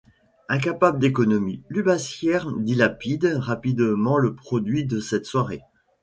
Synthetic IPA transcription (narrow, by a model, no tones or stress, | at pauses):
ɛ̃k̬apabld̪ekɔnɔmilybasjɛʁd̪ilapid̪ʁapid̪mɑ̃ləpχɔd̪ɥid̪əsɛt̪swaʁe